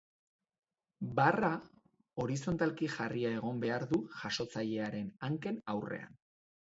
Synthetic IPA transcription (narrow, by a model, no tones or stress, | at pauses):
bara | o̞ɾiso̞nt̪alkiʝariae̞ɣ̞o̞mbe̞aɾðuʝaʃo̞t͡saʎe̞aɾe̞naŋke̞nawre̞̰a̰n